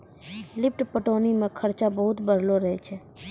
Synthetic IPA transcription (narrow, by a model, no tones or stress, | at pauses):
lɪp̚ʈpəʈoːnimẽkʰəɾt͡ʃabəɦʊt̪bəɾloɾəɦet͡ʃʰɛː